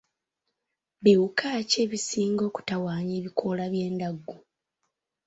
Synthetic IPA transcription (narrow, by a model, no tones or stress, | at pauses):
βiukʰaːce̞ːβisiːŋɡo̞ːku̥tawaːɲeːβikʰo̞laβje̞ːndaɡːu